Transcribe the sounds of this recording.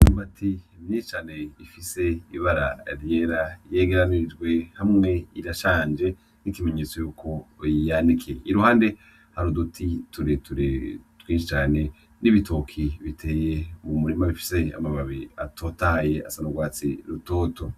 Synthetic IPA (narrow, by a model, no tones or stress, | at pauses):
uuβatʰimjiːʃi̥t͡ʃaːne̞ifise̞iβaɾa̰ɾje̞ɾaje̞ːɡe̞ɾanid͡ʒɡwe̞hamŋe̞iɾaʃaːnd͡ʒe̞ | nikime̞ɲet͡so̞juːkʰo̞jijanikʰeʔiɾuhaːnde̞ | haɾudutʰitʰuɾituɾtwiːnʃit͡ʃaːne̞ | niβitʰokʰiβitʰe̞ːjeuumuɾimaβifi̥se̞a̰maβaβiatʰo̞taje̞a̰sanoɡwaːt͡sḭɾutoːto̞